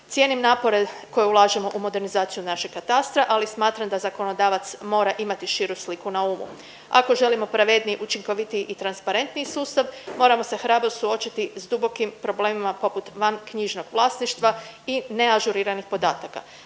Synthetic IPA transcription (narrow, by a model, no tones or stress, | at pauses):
t̪sje̞nimnaːpo̞ɾe̞ko̞jeulˠaːʒemo̞ʔumo̞d̪e̞ɾnizaːt̪sijunaʃeɡ̥̚kːat̪ast̪ɾaʔalismaːt̪ɾamd̪azako̞no̞d̪aːʋat̪smo̞ːɾaʔimat̪iʃiːɾuslikunauːmṵ | a̰ko̞ʒe̞limo̞pɾaʋed̪nijʔut͡ʃiŋko̞ʋit̪iʔit̪ɾanspaɾe̞nt̪nijsuːst̪aʋmo̞ːɾamo̞se̞xɾaːbɾosuo̞t͡ʃit̪izd̪ubo̞kimpɾo̞ble̞ːmimapo̞put̪ʋankɲiʒno̞ɡ̥ʋlˠaːsniʃt̪ʋa | ine̞aʒuɾiːɾanixpo̞d̪aːt̪aka̰